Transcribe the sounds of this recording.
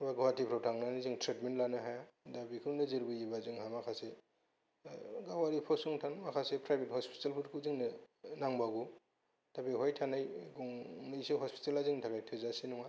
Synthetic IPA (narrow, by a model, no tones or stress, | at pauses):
baɡɔwatipʰɾawtʰaŋnaniziŋtɾetmentlanɯɦajdabikʰɯɾŋnɯzɯɾbɯjibazɯŋɦamakʰase | ɡawaɾipʰɔsuŋtʰanmakʰasepɾajbethɔspi̥talpʰutkʰuziŋnɯnaŋbaɡu | d̥abiɦɔjtʰanajɡɔŋnɯseɦɔspi̥talaziŋntʰakajtʰɯzasenuŋa